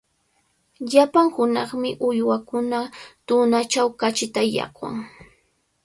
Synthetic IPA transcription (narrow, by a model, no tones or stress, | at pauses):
ʎapaŋhʊnɑχmɪʔʊjwakʊnat̪ʊnat͡ʃawkat͡ʃɪt̪ajɑ̰kwa̰ŋ